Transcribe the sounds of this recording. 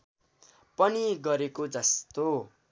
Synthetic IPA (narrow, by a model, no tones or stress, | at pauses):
pʌniɡʌɾekod͡zʌst̪o